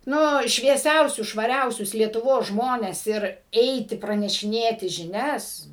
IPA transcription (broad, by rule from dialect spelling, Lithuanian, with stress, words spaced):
ˈnʊ ʃʲʋʲiɛˈsʲɛʊsʲʊs ʃʋɐˈrʲɛʊsʲʊs lʲiɛtʊˈʋoːs ˈʒmoːnʲɛs ˈɪr ˈɛɪtʲɪ prɐnʲɛʃʲɪˈnʲeːtʲɪ ʒʲɪˈnʲɛs